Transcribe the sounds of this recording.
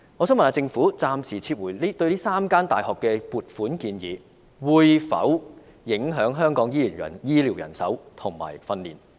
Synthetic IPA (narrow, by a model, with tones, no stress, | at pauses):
ŋɔː˨˧sœː˨˥mɐ˨naː˨˧˥t͡sɪ˧ŋfuː˨˥t͡saː˧msiː˨˩t͡sʰiː˧p̚wuː˨˩jliː˥t̪ɵ˧ɥliː˥saː˥mkaː˥nt̪aː˨˩jhɔː˨˩kːɛː˧puː˨t̚fuː˨˥nkiː˧njḭː˨˥ | wuː˨˧jfɐ̰˨˥w | jɪ˨˥ŋɦœː˨˥ŋɦœː˥ŋkɔː˨˥ŋjiː˥liː˨˩njɐ̰˨˩njiː˥liː˨˩wjɐ̰˨˩nsɐ̰˨˥wt̪ʰʊ˨˩ŋma̰ː˨˩jfɐ˧nlḭː˨˩n